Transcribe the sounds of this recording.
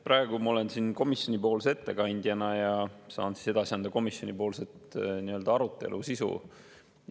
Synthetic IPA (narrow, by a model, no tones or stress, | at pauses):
pɾɑeɡ̥umɑo̞le̞nsinko̞misjo̞nʲipo̞ːlsee̞t̪ːe̞kɑnʲd̪̥jɑnɑjɑsɑ̰ːnsi̥se̞d̪ɑsiɑnd̪̥ɑko̞misjo̞nʲipo̞ːlset̪niø̞ld̪̥ɑɑɾut̪ˑːe̞̰lʔusisṵ